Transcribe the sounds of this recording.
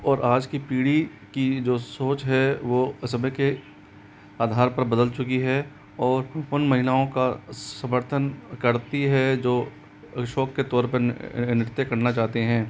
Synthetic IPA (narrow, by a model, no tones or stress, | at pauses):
ɔːɾʔaːd͡ʒkipiːɽi | kid͡ʒoːsoːt͡ʃɦɛʋosɐməke | aːd̪ʱaːɾpɐɾbɐd̪əlt͡ʃʊkiɦɛ | ɔːɾʊnmɐɦɪlaːõkasɐ̃məɾt̪ʰənkɐɾt̪iɦɛd͡ʒoː | ʃɔːkːet̪ɔːɾpɐɾnɪɾt̪ːekɐɾnat͡ʃaːɦt̪eɦɛ̃ː